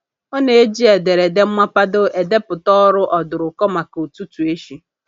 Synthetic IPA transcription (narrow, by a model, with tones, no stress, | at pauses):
ɔ˦ne˨e˦d͡ʒi˦e˨de˨ɾe˨de˦m̩˦ma˦pa˦dʊ˦ʔe˨de˦pʊ˨tɔ˦ɾʊ˦ʔɔ˨dʊ˨ɾʊ˨kɔ˦ma˨ko˨tu˦tu˨e˦ʃi˦